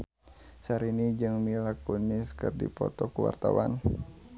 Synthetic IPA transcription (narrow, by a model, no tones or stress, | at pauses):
saɾinid͡ʒɨŋmilakuniskɨrdḭpɔt̪ɔkuwa̰rt̪awa̰n